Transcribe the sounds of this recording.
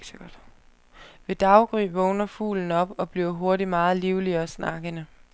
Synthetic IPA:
ɡ̥ɐd̥ | ʋe̝d̥ɑ̈ʊɡ̥ʁḭːbʋɔʊnɐfṵːln̩ɒ̽b̥ɒ̽b̥liʊɐɦo̝ɐɾimɑ̈ːð̩ˠliʊliɐɒsnɑ̈ɡ̥ənə

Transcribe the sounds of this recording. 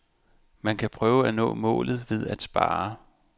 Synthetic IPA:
mænkʰæpʰʁœːʊəænɔ̰̽ːmɔ̰̽ːlð̞̩ˠʋe̝ð̞ˠæd̥sb̥ɑ̈ː

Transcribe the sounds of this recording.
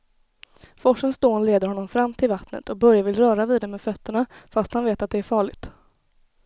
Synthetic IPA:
fɔʂənsd̪oːnleːd̪əɾhɔnːɔmfɾamːt̪ʰɪlvat̪nə̰t̪ʰɔk̚bœɾjavɪlɾœːɾaviːd̪ɛmeːfœt̪ʰːəɳafast̪hanveːt̪at̪̚d̪ɛæɾfɑːɭɪɡt̪

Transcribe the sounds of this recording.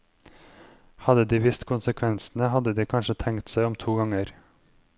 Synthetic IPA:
hɑd̪əd̪iːʋɪst̪kʰʊnsəkʰʋɛnsn̩əhɑd̪əd̪iːkʰɑnʃət̪ʰɛŋkt̪sæɪɔmt̪ʰuːɡɑŋəɾ

